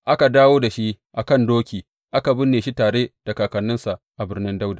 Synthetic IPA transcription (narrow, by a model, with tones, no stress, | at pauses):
ʔa˦ka˨daː˦woː˦da˨ʃi˦ʔʔa˨kɐ˦˨ndoː˦kʲiː˨ | ʔa˦ka˨bɪ˦nːeː˨ʃi˦taː˨ɽeː˦d̥a˨kaː˨kɐ˨nːɪ˦nsa˨ʔʔa˨bɪ˦rnɪ˦nda˦wdaː˨